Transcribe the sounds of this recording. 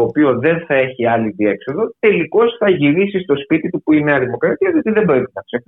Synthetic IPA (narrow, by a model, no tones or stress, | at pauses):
oːpio̞ðe̞nθɐe̞çiɐliðie̞kso̞ðot̪e̞liko̞sθɐʝiɾisist̪o̞spit̪it̪upuineɐðimo̞kɾɐt̪iɐðio̞t̪iðe̞bɾepinɐksef